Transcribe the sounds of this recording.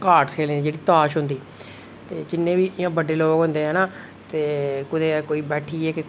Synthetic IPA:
kaːɾʈkʰeːlːd̪iːd͡ʒeːɽiːt̪aːʃɦʊnd̪iː | t̪eːd͡ʒɪnːẽːbiːʔɪjãːbəɖeːloːɡɦʊ̃nd̪eːɦɛːnaː | t̪eːkʊd̪eːkoːiːbɛːʈʰiːɛːke

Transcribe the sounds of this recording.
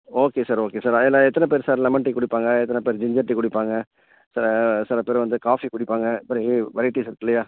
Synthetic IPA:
oːkeːsəɾoːkeːsəɾelaet̪ːnãːpeɾsəɾlɛməɳʈiːkʊɽipãːŋɡɛ̃ːet̪nãːpeɾd͡ʒɪ̃ɲd͡ʒəɾʈiːkʊɽipãːŋɡɛ̃ː | səɾsəɾpeɾʋənd̪ekaːfʰiːkʊɽipãːŋɡɛ̃ːpəɾĩʋəɾiːʈiːsəɾkɪlejaː

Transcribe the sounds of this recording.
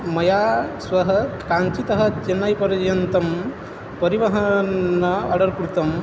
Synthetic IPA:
mɐjaːsʋɐɦɐkaːnt͡ʃit̪ɐɦɐ̆t͡ʃenːajpɐɾɐd͡ʒɐjɐnt̪ɐm | pɐɾiʋɐɦɐnːɐɐ̰ɽɐɾkɾut̪ɐm

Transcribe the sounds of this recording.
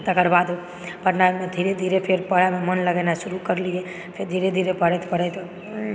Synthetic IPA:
t̪əkəɾbad̪u | pəɾnamed̪ʱiɾed̪ʱiɾepʰeɾpəɽamemənləɡɛnasuɾukəɾlie | pʰeɾd̪ʱiɾed̪ʱiɾepəɽɛt̪pəɽɛt̪o

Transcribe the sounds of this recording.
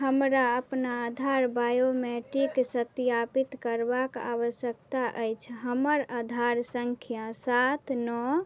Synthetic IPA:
ɦəmɾaəpnaəd̪ʱaɾbajomɛʈiksət̪japit̪kəɾbaka̰ʋəsjəkt̪aʔəjt͡ʃʰɦəməɾəd̪ʱaɾsəŋkʰjasat̪ʰnɔ

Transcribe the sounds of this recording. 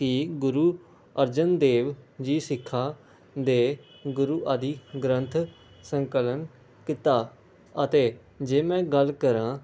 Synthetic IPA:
kɪːɡʊɾuː | əɾd͡ʒənd̪eːʋd͡ʒiːsɪkʰːaː | d̪eː | ɡʊɾuːʔaːd̪iːɡɾə̃nt̪ʰ | səŋkələn | kɪt̪aː | ət̪eː | d͡ʒeːmɛ̃ːɡəlkəɾãː

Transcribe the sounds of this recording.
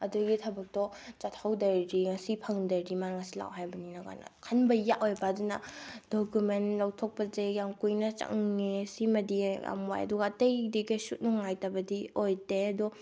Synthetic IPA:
ɐduɡitʰɐbɐk̚tɔt͡ʃatʰhawdɐɾɾiŋɐsipʰɐŋdɐɾɾimaɾŋɐsila̰wɦajbɐninɐɡa̰na̰kʰɐnbɐjaʔojbɐɐdunɐ̰dokumenlɐwtʰok̚pɐzejamkujnɐt͡ʃɐ̰ŋesimɐdia̰mwa̰jɐ̰duɡaːtejdiɡesut̚nuŋajtɐbɐdiojdeɐdɔ

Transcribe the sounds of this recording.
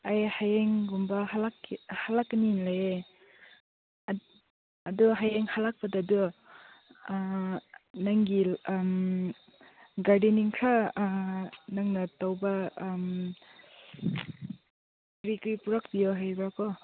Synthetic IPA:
ajhajeŋɡumbɐhalakhalakːninlaje | ɐduɦajeŋhalak̚pɐdadu | naŋɡim | ɡaɾdiniŋkʰɾa | naŋnatawbam | ɾikɯjpuɾak̚bijɔɦajbɾakɔ

